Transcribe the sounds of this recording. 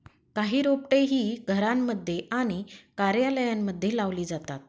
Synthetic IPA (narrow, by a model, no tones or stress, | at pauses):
kaɦiːɾopʈeɦiːɡʱəɾamːəd̪ʱːjeʔaɽ̃ikaɾjaləjamːəd̪ʱːjelaʋliːd͡zat̪at̪̚